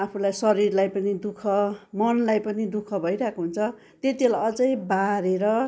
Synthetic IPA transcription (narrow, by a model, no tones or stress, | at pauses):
apʰulajsʌɾirlajpʌnid̪ukʰʌmʌnlajpʌnid̪ukʰʌbʱʌjɾakoɦunt͡sʰʌ | t̪et̪iolajʌd͡zʌjbaɾeɾʌ